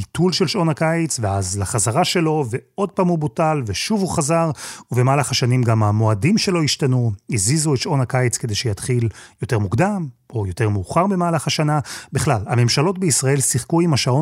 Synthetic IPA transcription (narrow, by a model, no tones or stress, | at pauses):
tʰulʃelʃo̞nakait͡sveazlaχazaʁaʃe̞lo̞veo̞d̚paːmhubutalveʃuvuχazaʁuvemaːlaχaʃanimɡamamo̞adimʃe̞lo̞iʃtanuizizuetʃʔo̞nakajit͡ske̞de̞jʃejat̪χiljo̞te̞ʁmukdamo̞jo̞te̞ʁmuːχaʁbemaːlaχaʃanabiχlalame̞mʃalo̞tbeisʁae̞lsiχkuimhaʃao